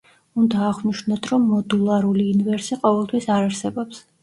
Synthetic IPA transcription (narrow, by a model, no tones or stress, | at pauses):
und̪aːʁniʃnat̪ʰɾɔmːɔd̪ulˠaɾuliːnvɛɾsiqʼɔvɛlˠt̪ʰwisaɾaɾsɛbɔps